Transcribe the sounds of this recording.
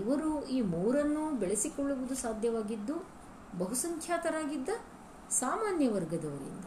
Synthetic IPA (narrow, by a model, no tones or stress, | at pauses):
iʋɐɾuiːmuːɾɐnːubɛɭɐsikɔɭːuʋud̪usaːd̪ʱjɐʋaːɡid̪ːu | bɐɦusɐŋkʰjaːt̪ɐɾaːɡid̪ːɐ | saːmaːnjɐʋɐɾɡɐd̪ɐʋɐɾḭnd̪ɐ